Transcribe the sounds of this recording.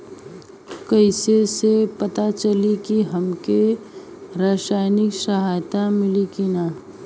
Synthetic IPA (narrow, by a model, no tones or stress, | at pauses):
kəɪsesepɐt̪at͡ʃəlikiɦɐmke | ɾaːsaːɪnɪksəɦaːjt̪amɪlikinaː